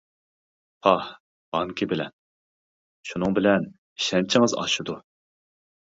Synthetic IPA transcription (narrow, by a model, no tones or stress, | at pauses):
pʰɑh | b̥ɑŋkʲʰibɪlɛ̰n | ʃunɨŋbɪlɛn | iʃɛnt͡ʃʰiŋɨzɑ̰ʃud̪u